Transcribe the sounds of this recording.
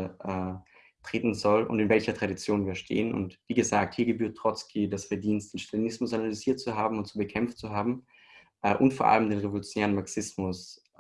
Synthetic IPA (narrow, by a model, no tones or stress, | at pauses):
ʔɛː | tʁ̥eːtn̩zɔlʊ̰ntɪnvɛlçɐtʁ̥aɾit͡sjoːnviːɐʃtʰḛːənʊ̰ntv̥iːɡəzaːk̚thiːɐɡəbyːɐt̚ːʁ̥ɔt͡skʰidasfɛɐdiːnstd̥eːnʃtalinɪsmʊsanalyziːɐt̚t͡suɦaːbm̩ʊnt̚t͡subəkʰɛmft͡suɦaːbm̩ | ʔɛːʔʊntfoːɐʔa̰ləmdeːnʁevolut͡sjonɛːʁənmaɐksɪsmʊs